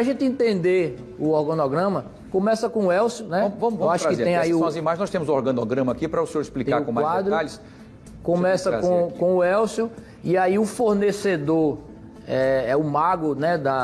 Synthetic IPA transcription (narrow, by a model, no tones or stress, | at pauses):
saʒẽnt̪ɪẽnt̪ẽnd̪e | ʊɔɾɡɐ̃nɔɡɾɐ̃mɐ | kõmɛsɐkõʊɛwsjʊnɛ̃mvɐ̃mʊvewaʃʊakɪeɾẽj̃aiuɔ̃zimajznɔst̪ẽmʊzuɔɾɡɐ̃nɔɡɾɐ̃mɐakipɾɐusẽoɾisplikaɾ̃kõmaad̪ɾʊaʎɪs | kõmɛsɐzkõkõʊɛwsjʊ | iaiʊfoɾnesed̪oɾ | ɛɛʊmaɡʊnɛd̪ɐ